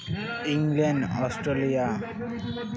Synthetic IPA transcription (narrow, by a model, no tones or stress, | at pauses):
ĩŋɡlɛnɖɔsʈɾelija